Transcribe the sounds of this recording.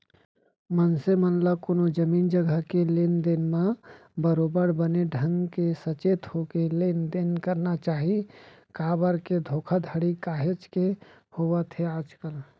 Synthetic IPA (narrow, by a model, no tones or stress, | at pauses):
mənsemənləkoːnod͡ʒəmiːnd͡ʒəɡəɦkelend̪enmã | bəɾobəɾbəneɖʱə̃ŋɡkesət͡ʃeːt̪hokelend̪enkəɾnat͡ʃaːɦi | kaːbəɾked̪ʱoːkʰəd̪ʱəɽikaːɦet͡ʃke | hobət̪ʰeaːd͡ʒkəl